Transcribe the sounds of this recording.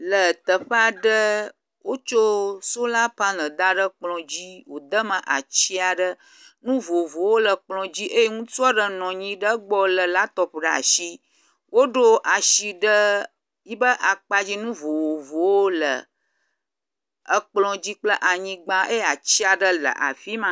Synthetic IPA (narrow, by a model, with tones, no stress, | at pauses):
lə˨t̪ə˨ɸa˨ɖə˦ | wo˦t͡ʃo˦so˦la˦pa˦nə̃˨d̪a˦ɖə˦k͡plɔ̃˨d͡ʑi˦wo˨d̪ə˦mə̃˨ʔa̰˨t͡ɕi˦a˨ɖə˦ | nũ˦vo˨vo˨wo˦lə˨k͡plɔ̃˨d͡ʑi˦ʔe˦je˦ŋũ˦tu˦ɔ˦ɖə˨nɔ̃˨ɲĩ˦ɖə˦ɡ͡bɔ˦lə˨la˦t̪ɔ˨ɸɖa̰˨ʃi˦ | wo˦ɖo˦ʔa˨ʃi˨ɖə˦ | ji˦bə˦ʔa˨k͡pa˦d͡ʑi˦nũ˦vo˨wo˨vo˨wo˦lə̰˨ | ə˦k͡plɔ̃˨d͡ʑi˦k͡plə˦ʔa˨ɲĩ˦ɡ͡ba˦e˦ja˨t͡ɕi˦a˨ɖə˦lə̰˨ʔa̰˨fi˦mã˦